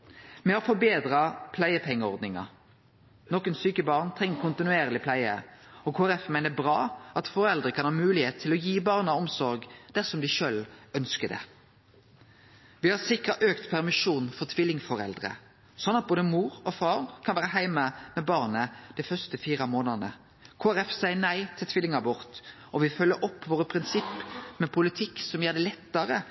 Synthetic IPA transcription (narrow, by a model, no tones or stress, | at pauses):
mɛhɑʁfɔɾbeːd̪ʁɑpʰlæɪəpʰɛŋːəɔʁd̪nɪŋɑ̰ | nɔkːənsyːkəbɑːʁnt̪ʰʁɛŋːəkʰʊnt̪ɪnʉeːʁlɪpʰlæɪə̰ɔkʰoːɛɾɛfmæɪnəbʁɑːɑt̪fɔɾɛld̪ɾəkʰɑnhɑːmʉːlɪheːt̪t̪ʰːɪlɔjiːbɑːʁnɑɔmsɔɾɡd̪̥æsɔmd̪ɪʃøːlœnskəd̪ɛ̰ | ʋɪhɑsɪkəøːkt̪pʰæɾmɪʂuːnfɔʁt̪ʰʋɪlːɪŋfɔʁɛ̰ld̪ɾə̰ | sɔnːɑt̪̚boːd̪əmuːʁɔfɑːʁkʰɑnʋæːɾəɦæɪməmɛbɑːʁnəd̪̥ɛfœst̪əfiːɾəmoːnənə | kʰoːæɾɛfsæɪənæɪt̪ʰɪlt̪ʋɪlːɪŋɑbʊʁt̪ | ʔɔʋɪfœlːəɾʔɔpːʋoːɾəpʰʁɪnsɪpːmɛpʰʊlɪt̪ʰɪkːsɔmjeːɾd̪ɛlɛt̪ːəɾə